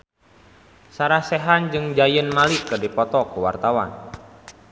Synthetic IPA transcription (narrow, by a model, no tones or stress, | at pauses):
saɾahseɦand͡ʒɨŋd͡ʒajənmalikədipɔt̪ɔkəwa̰rt̪awan